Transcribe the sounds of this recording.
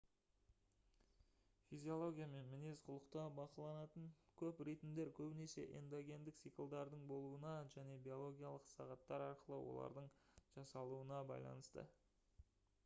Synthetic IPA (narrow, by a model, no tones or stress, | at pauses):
fizʲio̞lˠo̞ɡʲijame̞nmɪne̞zqʰʊlˠəqt̪ɑbɑqɑlˠɑnɑt̪əɴkʲʰɵprejt̪ɪmd̪e̞ɾkʲʰɵbɪne̞se̞̰ʔḛnd̪oɡʲe̞nd̪ɪk̚tsijkəlˠd̪ɑɾd̪əɴbo̞lˠuənɑʒæne̞bio̞lˠo̞ɡʲijalˠəqsɑ̰ʁɑt̪ːɑɾɑɾqəlˠəwo̰lˠɑ̰ɾd̪əɴʒ̥ɑsɑlˠuənɑbɑ̰jlˠɑ̰nəst̪ə̰